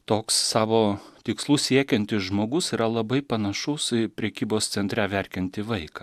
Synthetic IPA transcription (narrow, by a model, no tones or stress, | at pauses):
t̪oːksːɑːʋoːt̪ʲɪkslˠuːssʲiɛkʲɛnʲt̪ʲɪsʒmoːɡʊsiːɾɐlˠɐbɐɪpɐnɐʃʊspʲɾʲɛkʲiːboːst̪sʲɛnt̪ʲɾʲæʋʲɛɾʲkʲɛnʲt̪ʲɪʋɐɪkɑː